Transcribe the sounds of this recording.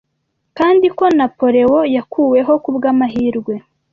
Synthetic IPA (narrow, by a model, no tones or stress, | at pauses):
kaːndiko̞napo̞ɾe̞wo̞jakʰuːwe̞ɦo̞kubɡamaɦiːɾɡwe̞